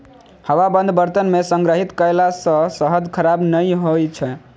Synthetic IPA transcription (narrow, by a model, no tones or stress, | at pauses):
həwabənd̪ʱbəɾt̪ənmesəŋɡɾəɦit̪kəjlasə̃səɦəd͡ʒkʰəɾabnəjɦojt͡ʃʰɛ